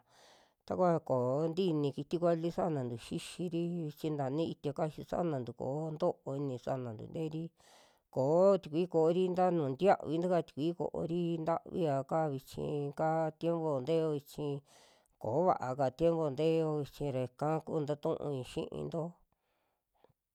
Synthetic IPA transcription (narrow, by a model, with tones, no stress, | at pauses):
t̪a˧kʷa˦ko˨˦nd̪i˦nĩ˧ki˧t̪i˦kʷa˦li˦sa˦˧nã˨nd̪u˨ʃi˦ʃi˧ɾi˦βi˧t͡ʃĩ˧nd̪a˨nĩ˦i˧t̪ja˧ka˦˧ʃi˧sa̰˦ʔnã˨nd̪u˨ko̰ː˨˦nd̪o˦ʔo˧i˧nĩ˧sa̰˧˨nã˨nd̪ṵ˨nd̪e˦ɾi˦ | koː˨˦t̪i˧˨kʷi˦ko˨˦ɾi˦nd̪a˦nũː˨nd̪ja˦ʔβi˧nd̪u˦ka˦˨t̪i̥˧˨kʷi˦ko̰˨ʔo̰˧ɾi˦nd̪a̰˦ʔβḭ˦a˧ka˦˧βi˧t͡ʃḭ̃˧ka˦t̪je˦mbo˧˨nd̪e˦˧o˧i˧t͡ʃĩ˧ | ko˨˦βa̰˧˨ʔa˧ka˨t̪je˦mbo˧˨nd̪e˦jo˧i˧t͡ʃĩ˧ɾe˨˧kã˦kṵ˦nd̪a˦t̪ũ˦ʔṵ̃˧ĩ˧ʃḭ̃˦ʔḭ̃˧nd̪o˦